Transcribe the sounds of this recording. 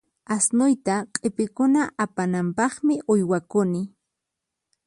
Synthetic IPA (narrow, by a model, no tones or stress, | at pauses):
asnʊjt̪aqʼɪpɪkʊnaʔapanampɑχmɪʔʊjwakʊnɪ